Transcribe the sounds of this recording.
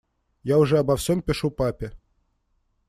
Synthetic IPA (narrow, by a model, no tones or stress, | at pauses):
jauʐɛɐbafsʲɔmpʲɪʂupapʲɛ